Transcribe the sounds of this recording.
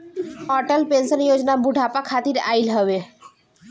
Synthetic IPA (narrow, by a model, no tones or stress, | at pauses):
ɔʈəlpensənjod͡ʑnabuɖʱapakʰat̪iɾa̰ilɦɔbe